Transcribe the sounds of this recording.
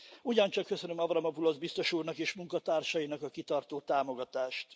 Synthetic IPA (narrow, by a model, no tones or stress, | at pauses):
uɟɒnt͡ʃɒkːø̞sø̞nømɒbrɒmɒpulozbist̪o̞ʃuːrnɒkeːʃmuŋkɒt̪aːrʃɒjinɒkɒkit̪ɒrt̪oːt̪aːmo̞ɡɒt̪aːʃt̪